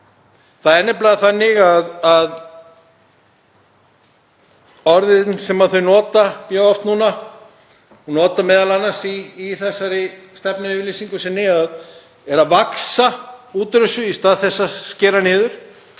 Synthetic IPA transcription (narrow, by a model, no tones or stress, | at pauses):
θaðɛnːɪp̬laɣðaθanːɪɣaðað | ɔɾðɪnsɛmaðθœɥnɔːt̪amjœːɣɔft̪nuːna | ɔnɔːt̪amɛːðalanːasiːθɛsːaɾɪ | st̪ɛpnavlesiŋkʏsɛnɪɣað | ɛɾavaksauːt̪ɾʏsʏist̪aːðθɛsːascɛːɾanɪːðʏɾ̥